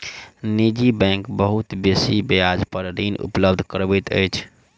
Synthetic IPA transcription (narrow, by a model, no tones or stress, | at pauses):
nid͡ʒibɛ̃ŋkbəɦut̪besibejad͡ʒpəɾɾinṵpləbd̪ʱkəɾbɛt̪ə̰jt͡ʃʰ